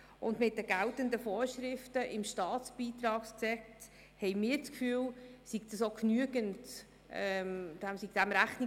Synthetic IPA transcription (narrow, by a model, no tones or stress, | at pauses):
ʔʊndmɪt̚dəɡ̥æltəndəfoːɾʃɾɪftəʔɪmʃtɑːt̪t͡sb̥iːt̪ɾɑːkst͡sɛkt | hɛɪmɪːɾt͡skfyːəlsiɡ̚d̪ɑsoknyəɡənt | ɛmd̥æmsiɡ̥d̥̪æmɾæχtni